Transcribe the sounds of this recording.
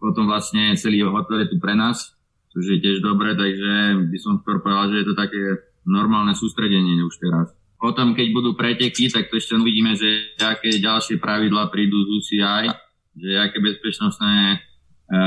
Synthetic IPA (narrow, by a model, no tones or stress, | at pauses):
pɔt̪ɔmʋlasɲɛt͡sɛliːɦɔt̪ɔɾjɛt̪upɾɛnaːs | t͡ʃɔʒɛjɛcɪɛʒd̪ɔbɾɛt̪aɡʒɛbisɔmft̪ɔɾpɔalʒɛjɛt̪ɔt̪akɛː | nɔɾmaːlnɛsuːst̪ɾɛɟɛɲɪɛuʃt̪ɛɾas | pɔt̪ɔmkɛɟbud̪uːpɾɛcɛkit̪ak̚t̪ɔɛʃcɛuʋiɟiːmɛʒɛakɛɟalʃɪɛpɾaʋid̪laːpɾiːd̪uːzusiaj | ʒɛɛakɛːbɛspɛt͡ʃnɔst̪nɛː